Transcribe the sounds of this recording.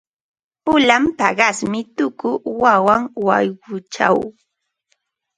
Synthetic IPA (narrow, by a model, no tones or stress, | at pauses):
pʊlampɑɢɑsmɪt̪ʊkʊwawaŋwajɢʊt͡ʃa̰w